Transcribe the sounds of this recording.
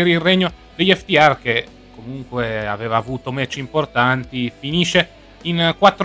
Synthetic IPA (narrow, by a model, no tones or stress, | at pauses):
eɾilrɛɲːo | d̪eʎːɛft̪iark̟e | komuŋkweavɛːvaːvuːt̪omɛt͡ʃːimport̪ant̪ifiniʃe | inkwat̪ːɾ